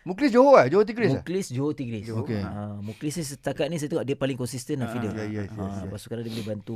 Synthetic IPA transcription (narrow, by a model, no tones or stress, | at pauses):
muklisd͡ʒoɦoad͡ʒoɦot̪̬iɡɾismuklisd͡ʒoɦot̪iɡɾisokeamũklisnisət̪akat̪̚nĩs̬ajat̪əŋɔʔdɛʔ̚palɪŋkɔnsist̪ənlafidəmapasukanadibolebant̪u